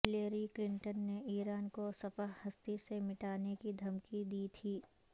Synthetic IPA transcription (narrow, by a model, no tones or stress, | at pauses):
ɦɪleːɾiklɪ̃ɳʈənːeʔiːɾaːnkosɐfəɦhɐst̪isemɪʈaːnekid̪ʱɐmkid̪iːt̪ʰiː